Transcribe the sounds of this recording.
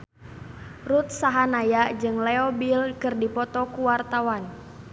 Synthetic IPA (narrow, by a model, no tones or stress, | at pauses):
rut̪̚saɦanajaʔd͡ʒɨŋlɛɔbilkɨrdipɔt̪ɔkuwart̪awan